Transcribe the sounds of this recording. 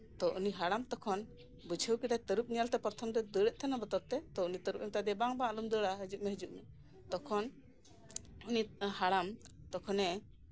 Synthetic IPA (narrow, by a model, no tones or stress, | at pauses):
t̪ɔʔuniɦaɽamt̪ɔkʰɔn | bud͡ʒʱəwkid̪ajt̪əɾup̚nijalt̪ɛpɔɾt̪ʰɔmd̪ɛd̪əɽɛʔ̚t̪ʰanabət̪ɔɾt̪ɛt̪ɔʔunit̪əɾup̚ɛmt̪ad̪ɛbaŋbalumd̪əɽaɦəd͡ʒuʔmɛɦəd͡ʒuʔmɛ | t̪ɔkʰɔn | unihaɽam | t̪ɔkʰɔnɛ